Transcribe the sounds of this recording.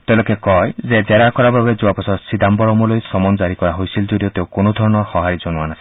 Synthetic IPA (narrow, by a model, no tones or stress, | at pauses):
t̪elokekɔjzezeɾakɔɾababezuapɔsɔsid̪ambɔɾɔmɔlojsɔmɔnd͡ʒaɾikɔɾaɦojsild͡ʒodiɔt̪ewkonɔd̪ʱɔɹɔnɔɹxɔɦaɾid͡ʒonuanasi